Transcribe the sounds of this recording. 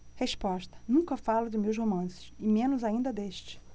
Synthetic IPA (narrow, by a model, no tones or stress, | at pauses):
heʃpɔʃt̪ɐ̥nũkɐfalʊd͡ʒɪmewshomɐ̃sɪ̥ʃɪmẽnʊzaĩnd̪ɐd̪eʃt͡ʃɪ̥